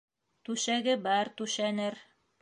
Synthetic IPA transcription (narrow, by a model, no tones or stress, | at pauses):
t̪ʉʃæɡɘbɑɾt̪ʉʃænɘɾ